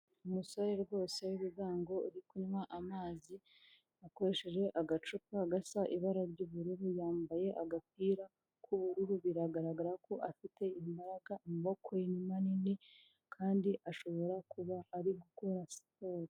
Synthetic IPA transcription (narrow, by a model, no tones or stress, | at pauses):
umusaɾeɾɡwo̞ːseajuβuɡaːŋɡo̞iɾikuɲmaʔamaːzi | ako̞ɾe̞ʃeʒe̞ʔaɡat͡ʃupaɡasaʔiβaɾaɾɟuβuɾuɾujaːmbaje̞ʔaɡapiːɾa | kʰuβuɾuɾuβiɾaɡaɾaɡaɾako̞ʔafite̞imbaɾaɡaimiβo̞koinimanini | kʰaːndiʔaʃo̞βo̞ɾakuβaːɾiɡuko̞ɾasi̥poɾi